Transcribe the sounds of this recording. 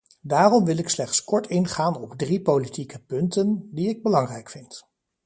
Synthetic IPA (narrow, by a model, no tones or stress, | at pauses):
daːrɔmʋɪlɪkslɛχtskɔɹtɪnχaːnɔbdripowlitikəpɵntəndiɪɡ̚bəlɑŋrɛjkfɪnt